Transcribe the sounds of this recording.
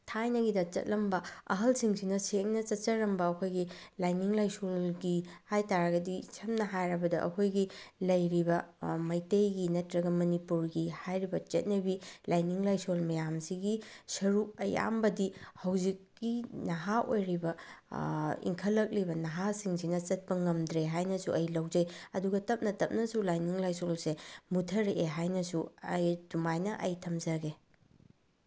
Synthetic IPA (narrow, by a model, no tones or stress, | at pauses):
tʰajnɐɡidɐt͡ʃɐ̰t̚lɐmbɐɐ̰ɦɐlsiŋsinɐsek̚nɐt͡ʃɐt̚t͡ʃɐɾɐmbɐːkʰojɡilajniŋlajsolɡihajtaɾɐɡɐdisʰɐmnɐɦajɾɐbɐdɐʔɐ̰kʰojɡilɐjɾibɐmɐjtejɡinɐtɾɐɡɐmɐnipuɾɡihajɾibɐt͡ʃɐt̚nɐbilajniŋlajsolmɐjamsiɡisɐɾuɐ̰ja̰mbɐdihɐwzikːinɐɦaʔojɾibɐ | ḭŋkʰɐlːɐk̚libɐnɐɦasiŋsinɐt͡ʃɐt̚pɐŋɐmdɾeɦajnɐsuʔɐjlɐwd͡ʒɐjɐduɡɐtɐp̚nɐtɐp̚nɐsulajniŋlajsolsemutʰɐɾʔeɦajnɐsuɐjdumajnɐʔɐjtʰɐmzɐɡe